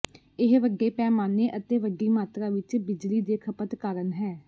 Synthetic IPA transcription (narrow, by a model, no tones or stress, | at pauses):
ɪɦʋəɡeːpɛːmaːneːʔət̪eːʋəɡiːmaːt̪ɾaːʋɪt͡ʃbɪd͡ʒliːd̪eːkʰəpət̪kaːɾənɦɛː